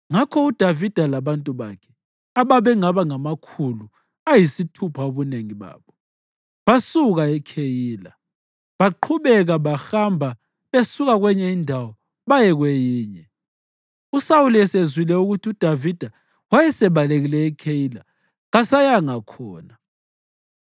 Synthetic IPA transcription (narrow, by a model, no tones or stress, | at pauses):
ŋakʰɔud̥ʱavid̥ʱalaβantʼuβa̰kʰɛ̥ | aβaβɛŋaβaŋamakʰulu | ajisitʰupʰaoβuneŋiβa̰ːβɔ | βasuɣaɛkʰejiːla | βaǃʰuβɛɣaβaxambʱa | βesuɣaɣwɛɲɛindʱawɔ | βajɛɣwɛjiːɲɛ | usauliɛsezwilɛuɣutʰiud̥ʱavid̥ʱa | wajɛsɛβaleɣilɛɛkʰejila | ɣasajaŋakʰɔːna